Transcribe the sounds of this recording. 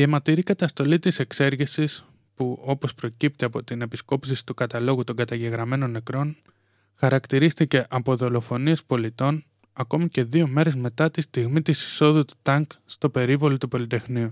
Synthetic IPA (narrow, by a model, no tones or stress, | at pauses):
iemɐt̪iɾikɐt̪ɐst̪o̞lit̪ise̞kse̞ɾʝisis | puo̞po̞spɾo̞cipt̪iɐpo̞t̪ine̞pisko̞psisi̥t̪ukɐt̪ɐlo̞ɣut̪o̞ŋɡɐt̪ɐʝe̞ɣɾɐme̞no̞nːe̞kɾo̞n | xɐɾɐkt̪iɾist̪ice̞ʔɐpo̞ðo̞lo̞fo̞niespo̞lit̪o̞n | ɐko̞mice̞ðio̞me̞ɾe̞zme̞t̪ɐt̪ist̪iɣmit̪isi̥so̞ðut̪u̥t̪ɐŋkst̪o̞pe̞ɾivo̞lot̪upo̞lit̪e̞xniu